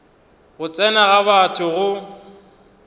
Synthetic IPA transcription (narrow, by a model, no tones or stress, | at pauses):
ɣʊt͡sʼɛnaɣaβatʰʊɣʊ